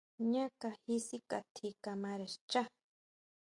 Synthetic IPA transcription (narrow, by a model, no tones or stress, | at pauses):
ɲakahisikat̪ʰikamaɾaʃt͡ʃa